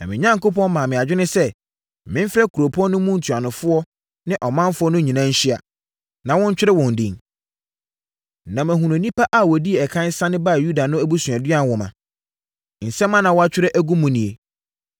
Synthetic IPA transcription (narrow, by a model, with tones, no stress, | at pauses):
nã̰˨mɪ̃˨ɲã˦ŋko˦pɔ̃˦nmã˨mɪ̃˨a˨d͡ʑᶣɪ˦nɪ̃˦sɛ˦ | mɪ̃˦m˦fɪ˦ɾɛ˦kʰu˨ɾo˨pʰɔ̃˦nːʊ̃˦mũ˦n̩˨tʰu˨a˨nʊ̃˨fʊ˦ɔ˦ | nɪ̃˦ʔɔ˨mã˦mfʊ˦ɔ˦nʊ̃˦ɲĩ˨nã˦ɲ̩˦ɕɪ˦a̰˨ | nã˨wɔ̃˦ɲ̩˦t͡ɕᶣɪ˦ɾɪ˦wɔ̃˨n̩˨dḭ̃˦˨ŋ | nã˨mæ̃˨ɦũ˨nʊ̃˨nĩ˦pʰa˦ʔa˨wɔ˨di˦e˨ɛ˨kʰã˦n˦sã˦nɪ̃˦ba˦˨ju˦da˨nʊ̃˦æ˦bu˦sũ˨a˨dɥa˦n˨wɔ˨mã˨ | n̩˨sɛ̃˦mːã˦nã˨wɔ˦a˦t͡ɕᶣɪ˦ɾɛ˦ʔæ˦ɡũ˦mũ˨nĩ˨e˨